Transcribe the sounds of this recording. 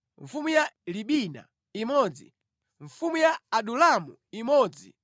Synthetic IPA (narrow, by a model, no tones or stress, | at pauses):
ɱfumujaliɓina̰ | imɔːd͡zḭ | ɱfumujaːɗulamu | imɔːd͡zḭ